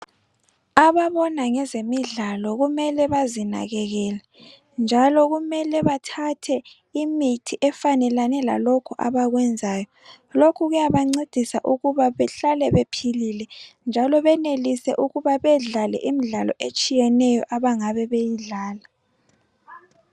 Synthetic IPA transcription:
aβaβɔnaŋɛzemiɮalɔɣumɛlɛβazina̰ɣɛɣɛla | nd͡ʒʱalɔɣumɛlɛβatʰatʰɛ | imitʰiʔɛfanɛlanɛla̰lɔkʰɔʔaβaɣwɛnd͡zʱaːjɔ | lokʰuɣujaβaŋ͡ǀed̥ʱisa̰ʔuɣuβaβɛɬalɛβepʰililɛnd͡ʒʱalɔβɛnelisɛ̰ʔuɣuβaβɛɮalɛ̰ʔimiɮalɔ̰ʔet͡ʃʼijɛnɛjɔʔaβaŋaβɛβejiɮaːla

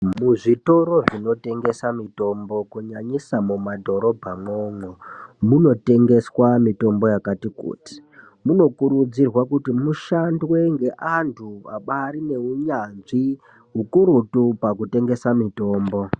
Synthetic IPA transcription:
muʐito̞ɾo̞ʐino̞te̞ŋɡe̞samito̞mbo̞kuɲaɲisamumadʱo̞ɾo̞bʱamoːŋomuno̞te̞ŋɡe̞swamito̞mbo̞jakatikṵːti̥ | muno̞kuɾud͡zirwakutimuʃandwe̞ŋɡe̞ʔantʰua̰ɓaɾine̞uɲanʐi | ɦukuɾutupak̬ute̞ŋɡe̞samito̞ːmbo̞

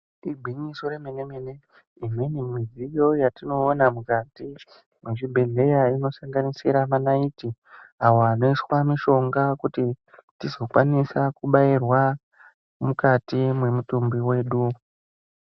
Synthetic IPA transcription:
ibʱiɲisoɾemenemene | imwenimizijo̞jatino̞ːnamukati | mweʐibʱe̞ɮe̞jaino̞saŋɡanisiɾamanaitiawoano̞iswamiʃo̞ŋɡakutitizo̞kwanisakuɓairwa | mukatimwe̞mutumbiwe̞ːɗu

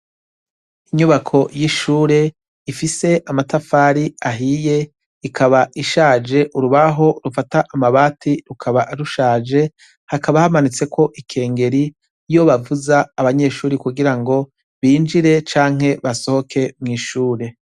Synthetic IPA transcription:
iɲuβakʰo̞jiʃuːɾe̞ | ifise̞ʔamatafaːɾiaɦije̞ | ikʰaβaʔiʃaːd͡ʒe̞ʔuɾuβaɦo̞ɾufataʔamaβaːtʰiɾukʰaβaɾuʃaːd͡ʒe̞ | hakaβahamanit͡se̞kʰo̞ʔikʰe̞ːŋɡe̞ɾi | jo̞βavuzaːβaɲe̞ʃuːɾikuɡiɾaŋɡo̞ | βiːnd͡ʒiɾe̞t͡ʃaːŋ̥he̞βaso̞ho̞kʰe̞mŋiːʃuːɾe̞

